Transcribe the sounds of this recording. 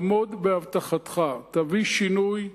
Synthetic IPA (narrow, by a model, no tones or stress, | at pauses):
mo̞d̪beavt̪aχat̪χat̪aviʃinuj